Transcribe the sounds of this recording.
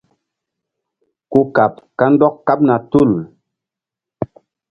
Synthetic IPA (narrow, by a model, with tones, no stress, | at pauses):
ku˦ka˨p̚ka˦n˦dɔ˦kːa˦p̚na˨tu˦˨l